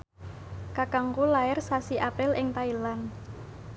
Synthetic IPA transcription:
kakaŋkulaɪrsasiʔapɾɪlʔɪŋt̪ailan

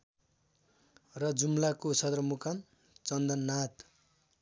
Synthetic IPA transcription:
rʌd͡zumlakosʌd̪rʌmukan | t͡sʌnd̪ʌnːat̪

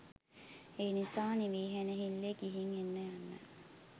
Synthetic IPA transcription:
enisaːniʋiːɦeneɦilːeɡiɦiŋenːejanːɛ̰

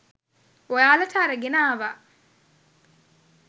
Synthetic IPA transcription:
wɐjaːlɐt̪ʰaɾɐɡɪnaːβɐ

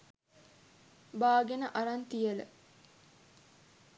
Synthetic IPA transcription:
baːɡenəʔaɾant̪ijələ̰

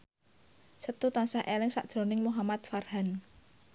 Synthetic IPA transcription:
sət̪ut̪ansahʔelɪŋsa̰ʔd̥ʒ̥ɾo̤nɪŋmuɦamat̪̚farhan

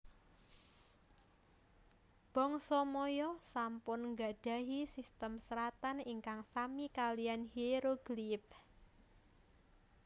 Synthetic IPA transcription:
b̥ɔŋsɔmɔjɔsampʊnŋɡaɖ̥a̤ɦisist̪əmsəɾat̪aniŋkaŋsamikalijanhiɾoɡ̥lip̚

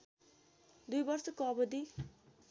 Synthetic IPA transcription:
d̪ujbʌrsʌkoʌbʌd̪i

